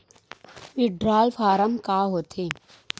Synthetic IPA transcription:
ʋɪɖɾaːlfʰaːɾəmkaːɦoːt̪ʰeː

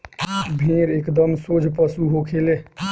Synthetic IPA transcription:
bʱẽɾekd̪əmsod͡ʒʱpəsuɦokʰele

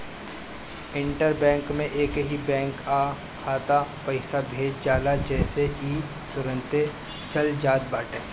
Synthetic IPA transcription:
ɪ̃ɳʈəɾbɛ̃ːŋkmẽʔeːkɦibɛ̃ːŋkaː | kʰːaːt̪apɐɪsabʱeːd͡ʒd͡ʒaːlad͡ʒɛːseiː | t̪ʊɾə̃nt̪e | t͡ʃɐld͡ʒaːd̪̚baːʈeː

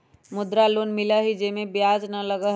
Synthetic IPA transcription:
mʊd̪ɾaloːnmɪlaɦid͡ʒemẽbjaːd͡ʒnɐlɐɡa

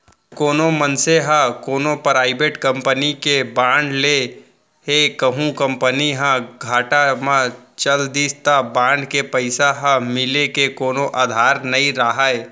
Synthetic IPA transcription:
koːnomənseɦãkoːnopɾaːɪbeʈkə̃mpənikebãːɳɖle | hekəɦũkə̃mpəniɦãɡʱaːʈamãt͡ʃəld̪iːst̪abãːɳɖkepəɪsaɦɐ̃mɪlekekoːnoʔaːd̪ʱaːɾnɐĩɾaɦae

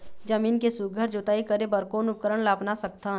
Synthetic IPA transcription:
d͡ʒəmiːnkesʊɡʱəɾd͡ʒoːt̪aːikəɾebəɾkoːnʊp̚kəɾəɳlaːpnasək̚t̪a

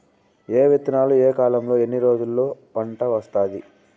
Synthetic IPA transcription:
eːʋet̪inaːlueːkaːlɐmlo̞ːenːiɾo̞ːd͡ʒulːo̞ːpɐɳʈɐʋɐst̪aːd̪i

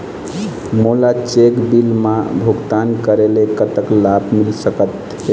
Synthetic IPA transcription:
molat͡ʃekbilmabʱuɡt̪ankəɾelekət̪əklabmilsəkət̪ | e

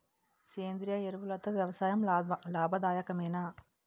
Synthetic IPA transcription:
seːnd̪ɾɪjaːɛɾɯʋɯlɐt̪ːɐʋjɐʋɐsaːjɐmlaːbʱɐd̪aːjɐkɐmeːnaː

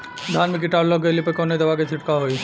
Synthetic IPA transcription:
d̪ʱanmik̬iʈablɔkelipekoned̪ebaket͡ɕʰiʈkaɦoj

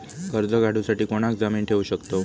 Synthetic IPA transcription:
kəɾd͡zəɡaɽ̤ʱusaʈiːkoɽ̃akɡd͡zamiːnʈʰeʋuːɕəkt̪o

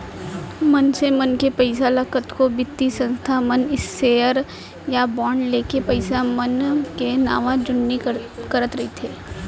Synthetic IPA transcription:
mɐnsemɐnkepɐɪsaləkət̪kobɪt̪ːisə̃nst̪ʰamənɪsːeːəɾ | jabɔːɳleːkepɐɪsamənkena̰ːʋãd͡ʒʊnːikɐɾət̪ɾɐɦit̪ʰeː

